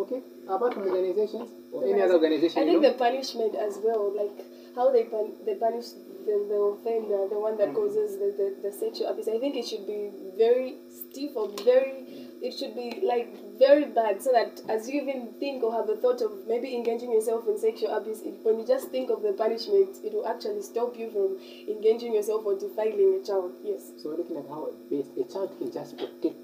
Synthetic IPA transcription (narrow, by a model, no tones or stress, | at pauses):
oke | əpatɔɹɡɨnaɪzeʃə̃nz | ɛniʌðəɔɹɡɨnaɪzeɪʃaɪθɪ̃ŋk̚ðɨpanɪʃmɨ̃ntɨzwɛlˠlaɪk | haʊðeɪpaðepanɪʃ | ðɨðəθɛ̃nððəwʌ̃nðɨt̚kʰɔzɪzðɨðɨðɨsɛkʃəlapisaɪθɪ̃ŋkɨtʃɨd̚bivɛɹi | stifə˞vɛɹi | ɪtʃɨd̚bilaɪk̚ | vɛɹibæd̥soʊðɨtʔɨzjɨivɨ̃nθɪ̃ŋkəəvəθɔɾʌvmeɪbiɨ̃nɡeɪd͡ʒɪ̃ŋjə˞sɛlˠfɨ̃nsɛkʃˠapisɪwɛ̃njɨd͡ʒʌsθɪ̃ŋkʌvðɨpʰanɨʃmɨ̃ntɪt̚wəlˠæk̚t͡ʃul̩ˠistɔpjɨfɹʌ̃m | ɨ̃nɡeɪd͡ʒɪ̃ŋjə˞s̬ɛlˠfə˞dɨfaɪlˠɪ̃ŋɨt͡ʃaɪlˠd̥jɛssoʊwɪɹlʊkɪ̃ŋɨt̚haʊɪ̰bɛsɨt͡ʃʰaɪlˠd̥̚kʰɨ̃nd͡ʒʌspʰtɪ